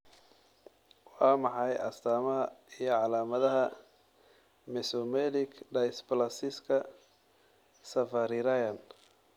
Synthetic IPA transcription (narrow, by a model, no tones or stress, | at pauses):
wɑːmɑħɑjʔɐ̰st̪ʰaːmɐɦɐijɞʕɑlaːmɐðɐɦɐ | mɛsɔmɛlɪkʰɖɐjsplɐsɪskʰɐ | sɐfɐɾɪɾajɐn